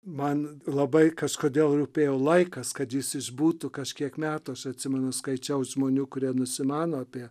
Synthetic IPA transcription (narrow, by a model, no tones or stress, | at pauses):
mɐnlˠɐbɐɪkɐʃkoːd̪ʲeːlˠruːpʲeːjɛʊlˠɐɪkɐskɐt̪jɪsɪʒbuːt̪ʊkɐʃʲkʲiɛkmʲæːt̪ʊɐʃɐt̪ʲsʲɪmʲɛnʊskɐɪt͡ʃʲɛʊsʒmoːnʲuːkʊɾʲiɛnʊsʲɪmɑːnoːɐpʲiɛ